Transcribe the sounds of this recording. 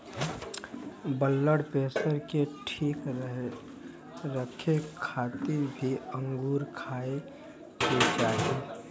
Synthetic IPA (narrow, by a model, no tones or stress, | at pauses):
bəlːəɽpeːsəɾkeʈʰiːk | ɾəkʰekʰaːt̪ɪɾbʱiəŋɡuːɾkʰaːe | ked͡ʒaːɦe